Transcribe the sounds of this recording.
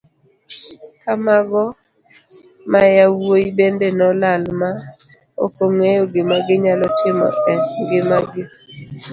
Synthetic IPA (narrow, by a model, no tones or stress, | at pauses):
kamaɡɔ | majawojibendenɔlalma | o̰koŋejoɡɪmaɡɪɲalɔtɪmɔ̰ʔɛnɡɪmaɡɪ